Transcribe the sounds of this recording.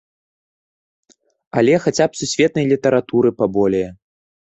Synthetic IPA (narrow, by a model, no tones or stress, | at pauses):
alʲɛxat͡sʲapsusʲvʲɛt̪̚nɐjlʲit̪ɐɾat̪uɾɨpabɔlʲɛjɐ